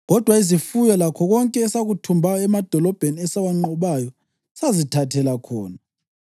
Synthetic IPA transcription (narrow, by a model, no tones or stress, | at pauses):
ɣɔd̥ʱwaizifujɔlakʰɔɣɔŋkʼɛːsaɣutʰumbʱajɔɛmad̥ʱɔlɔb̥ʱeniɛsaβaŋ͡ǃɔβaːjɔ | sazitʰatʰɛlakʰɔːna